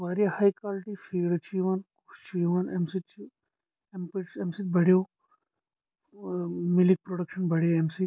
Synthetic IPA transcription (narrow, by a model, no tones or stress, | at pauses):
ʋaːɾijahaːjkaːlʈifʰiːɖt͡ʃʰiʋankust͡ʃʰiːʋanemsit̪t͡ʃʰi | empiʈsemsit̪̚bʱɐɽijoː | milik̚pɾoɽɐkʃɐnbʱɐɽjaemsi